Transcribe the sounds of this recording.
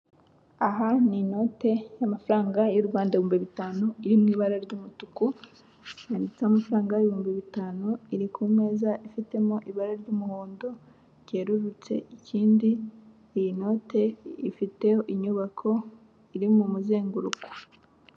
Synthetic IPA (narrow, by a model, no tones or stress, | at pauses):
aɦanino̞te̞jamafuɾaːŋɡajoɾuβaːndaiβuːmbiβitaːnuiɾimŋiːβaɾaɾɟumutuku | jaːndit͡seamafuɾaːŋɡaβihuːmbiβitaːnuiɾikʰume̞ːzaʔifite̞moʔiβaɾaɾɟumuhoːndo | ɟe̞ːɾuɾut͡se̞̰iciːndi | ijino̞ːte̞ifite̞joʔiɲuβakʰo̞ | iɾimumuzeːŋɡuɾuku̥